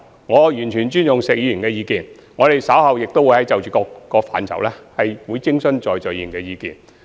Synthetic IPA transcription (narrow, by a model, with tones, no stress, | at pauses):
ŋɔː˨˧jyː˨˩nt͡ʃʰyː˨˩nt͡ʃyː˥njʊ˨ŋsɛː˨k̚jiː˨˧jy˨˩nkɛː˧jiː˨˧kiː˨n | ŋɔː˨˧ɾe˨jsɐ˨˥whɐ˨˧wjɪ˨k̚t̪o˥wu˨˧˥hɐ˨˥jt͡sɐ˨wt͡ʃyː˨kɔː˧kkːɔː˧k̚fa̰ː˨nt͡sʰɐ̰˨˩wlɛː˥hɐ˨jwuː˨˧jt͡sɪ˥ŋsɵ˥nt͡ʃɔː˨jt͡sœː˨jiː˧˨˩ŋkɛː˧jiː˨˧kḭː˨n